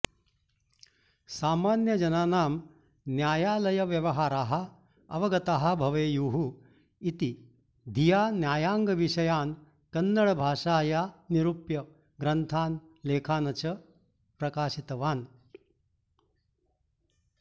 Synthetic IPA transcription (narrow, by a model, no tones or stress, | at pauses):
saːmaːnjɐd͡ʒɐnaːnaːm | njaːjaːlɐjɐʋjɐʋɐɦaːɾaːɦɐ̆ | ɐ̰ʋɐɡɐt̪aːɦɐ̆bʱɐʋejuːɦu | it̪i | d̪ʱijaːnjaːjaːŋɡɐʋiʂɐjaːn | kɐnːɐɭɐbʱaːʂaːjaːniɾupjɐ | ɡɾɐnt̪ʰaːn | leːkʰaːnɐt͡ʃɐ | pɾɐkaːʃit̪ɐʋaːn